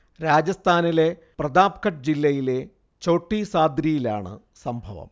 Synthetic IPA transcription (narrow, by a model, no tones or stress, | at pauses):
ɾaːd͡ʑɐst̪ʰaːnile̞ | prɐd̪aːpkɐʈ̚d͡ʑilːɐjile̞ | t͡ɕo̞ːʈːisaːd̪ɾijilaːɳɨ̰ | sɐmbʱɐʋɐ̰m